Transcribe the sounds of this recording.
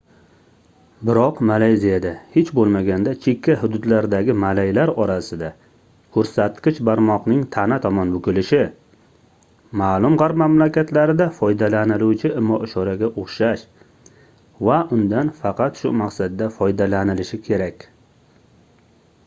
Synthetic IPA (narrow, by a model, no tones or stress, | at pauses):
bɪɾɒqmalajzijad̪ahet͡ʃbolˠmaɡʲand̪at͡ʃʰekʲʰːaɦʊd̪ʊd̪laɾd̪aɡʲɪmalajlaɾɒɾasɪd̪a | kʰɵɾsat̪qʲɪt͡ʃbaɾmɒqnɪŋt̪ʰanat̪ʰɒmɒnbʊkʲɪlɪʃɪ | maːlˠʊmʁɑɾpmamlakʲat̪ʰlaɾɪd̪afɒjd̪alanɪluwt͡ʃʰɪɪmːɒʔɪʃɒɾaɡʲaʔoχʃaʃ | vaʔʊnd̪anfɑqɑt̪ʃʊmaqsad̪ːafɒjd̪alanɪlɪʃɪkʲʰe̞ɾakʲ